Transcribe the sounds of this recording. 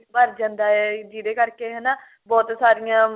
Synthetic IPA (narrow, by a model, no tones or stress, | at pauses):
bəɾd͡ʒãːnd̪aːɛːd͡ʒiːɾeːkəɾkeːɦɛːnaː | bɔːt̪saːɾɪjãː